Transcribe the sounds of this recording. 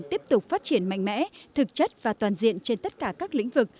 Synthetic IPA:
t̪i˦˥əp̚t̪ʊ˨˩k͡p̚faː˦˥t̚t͡ɕi˧˩ənma̰˧˨ŋ̟mɛ̰˧˥t̪ʰɨ˨˩k̚t͡ɕə˦˥t̚vaː˨˩t̪waː˨˩nzḭ˧˨ənt͡ɕe˧nt̪ə˦˥t̚kaː˧˩kaː˦˥k̚lḭ˧˥ŋ̟vɨ˨˩k̚

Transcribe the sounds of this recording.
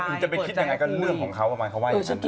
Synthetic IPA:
ɯ˩˦t͡ɕa˨pe˧i˥t̪̚ja˧ŋa˧jkɔ˥˩lɯ˥˩əŋkʰɔː˩˦ŋkʰa˦˥wʔa˧maː˧jkʰa˦˥waː˥˩˧

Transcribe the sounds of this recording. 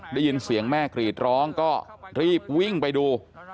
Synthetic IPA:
daː˥˩jɯ˧nsi˩˦əŋmɛː˥˩kɾiː˨˩t̪̚ɾɔː˦˥ŋkɔː˥˩ɾiː˥˩p̚wi˥˩ŋpa˧jduː˧

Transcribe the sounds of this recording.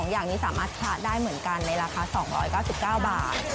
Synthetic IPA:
ŋjaː˨˩ŋniː˦˥saː˨˩˦maː˥˩t̪̚t͡ɕʰa˦˥daː˥˩jmɯ˩˦ənka˧nːa˧jɾaː˧kʰaː˧sɔː˩˦ŋɾɔ̰ː˦˥jkaː˥˩si˨˩p̚kaː˥˩wbaː˨˩t̪̚

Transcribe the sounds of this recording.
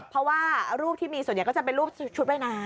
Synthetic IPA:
pʰːɾɔ˦˥waː˥˩ɾuː˥˩p̚t̪ʰiː˥˩miː˧su˨˩˦nja˨˦kɔ˥˩t͡ɕa˨˩pe˧nɾuː˥˩p̚t͡ɕʰu˦˥t̪̚ma˥˩jna˦˥

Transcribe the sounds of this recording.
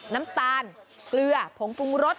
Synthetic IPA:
naː˦˥mt̪aː˧n | klɯ˧ɐpʰo˩˦ŋpu˧ŋɾo˦˥t̪̚

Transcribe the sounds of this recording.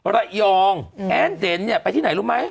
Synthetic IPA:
ɾa˧˩jɔː˧ŋʔɛː˦˥nde˨˦nni˥˩ɐpa˧jt̪ʰiː˥˩a˩˦jɾuː˦˥ma˦˥j

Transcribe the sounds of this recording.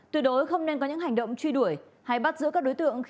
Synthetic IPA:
t̪ɨ˨˧˩ɗo˨˦jxə˧wŋ͡mne˧nkɔ˨˦ɲɨ̰˧˥ɦa˨˩ŋ̟ɗə̰˧˨wŋ͡mt͡ɕwi˧ɗu˧˩əj | ha˧jɓa˦˥t̚zɨ̰˧˥kːk̚o˨˦jt̪ɨ̰˧˨əŋx

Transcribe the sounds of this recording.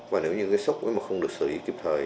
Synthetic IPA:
vaː˨˩ne˨˦wɲɨ˧kaː˨˦sə˦˥k͡p̚ʔṵ˧˨˦jmaː˨˩kxə˧wŋ͡mɗɨ˨˩ək̚sɨː˧˩ʔi˨˦ki˧˩p̚t̪ʰəː˨˩j

